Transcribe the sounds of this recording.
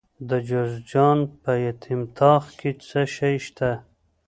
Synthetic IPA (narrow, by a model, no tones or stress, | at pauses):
d̪əd͡ʒozd͡ʒɑnpəjat̪ʰimt̪ʰɑːxket͡səʃajʃt̪ʰa